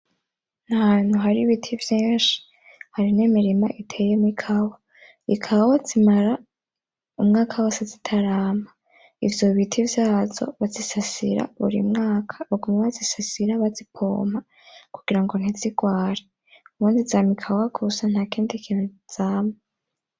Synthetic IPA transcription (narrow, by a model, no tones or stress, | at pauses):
n̥ahan̥huɦaɾiβitʰivjeːʃi̥ | haɾinemiɾima̰ʔitʰe̞jemikʰawa | ikʰawazimaɾa | umŋaːkʰawasazitʰaɾaːma | ivjo̞βitʰivjaːzo̞̰βazisasḭɾa̰βṵɾḭmŋaːkʰḁβuɡumaβazisasiɾaβazipʰo̰ːmha | kuɡ̥iɾaŋɡo̞n̥iziɡ̥waːɾe | uβuːndizaːmikʰawaɡʰusan̥hakiːndikʰinuz̥aːma